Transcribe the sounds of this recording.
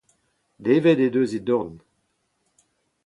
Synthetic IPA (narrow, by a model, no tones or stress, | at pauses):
d̪eːvɛd̪ed̪øːzid̪ɔʁn